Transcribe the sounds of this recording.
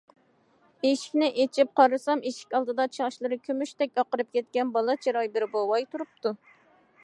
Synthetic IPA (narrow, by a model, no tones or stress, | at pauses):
eʃi̥kʲnɪʔet͡ʃʰip̚qʰɑɾɨsɑmeʃi̥kʲɑlˠd̪ɨd̪ɑt͡ʃʰɑʁʃlˠɨɾɨkʲʰømyʃt̪ɛkʲɑqəɾɨp̚kʲɛt̪̚kʲɛnbɑlˠɑt͡ʃʰeɾɑjbɪɾbolˠwɑjt̪ʰuɾup̚t̪u